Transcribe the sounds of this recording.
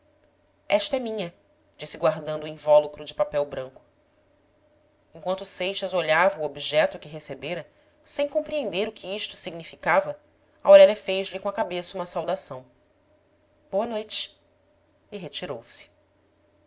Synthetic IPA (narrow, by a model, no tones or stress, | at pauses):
ɛʃt̪ɐɛmĩɲɐ | d͡ʒisɪɡwaɾd̪ɐ̃nd̪uĩvɔlukɾʊd͡ʒɪpapɛwbɾɐ̃ŋkʊ̥ | ẽŋkwɐ̃nt̪usejʃɐzoʎavɐuobiʒɛt̪ʊkɪɦesebeɾɐ | sẽj̃kõpɾiẽnd̪eɾʊkʰɪiʃt̪ʊ̥siɡnifikavɐ | ɐoɾɛʎɐfejzlɪkõɐkabesɐũmɐsawd̪asɐ̃w̃ | b̥oɐnojt͡ʃɪ̥ | iɦet͡ʃiɾowsɪ̥